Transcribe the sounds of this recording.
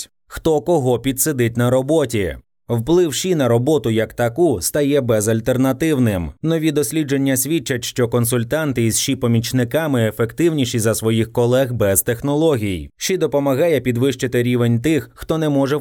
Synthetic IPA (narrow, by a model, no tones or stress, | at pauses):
xt̪ɔkɔɦɔpʲid̪sed̪ɪtʲnɐɾɔbɔtʲi | wplˠɪwʃinɐɾɔbɔt̪ʊjɐkt̪ɐkust̪ɐjɛbɛzɐlʲt̪ernɐt̪ɪwnɪmnɔʋʲid̪ɔsʲlʲid͡ʒe̞nʲːɐsʲʋʲit͡ʃːɐtʲʃt͡ʃɔkɔnsʊlʲt̪ɑnt̪ɪiz̥ʃipɔmʲit͡ʃnɪkɑmɪefekt̪ɪwnʲiʃʲizɐsʋɔjixkɔlˠɛɣbɛzt̪exnɔlˠɔɦʲijʃid̪ɔpɔmɐɣɑjɛpʲid̪ʋɪʃt͡ʃɪt̪ɪɾʲiʋenʲt̪ɪxːt̪ɔnɛmɔʐɛ